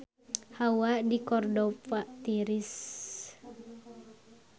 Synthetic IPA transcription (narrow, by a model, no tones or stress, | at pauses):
hawadikɔrdɔfaʔt̪iɾis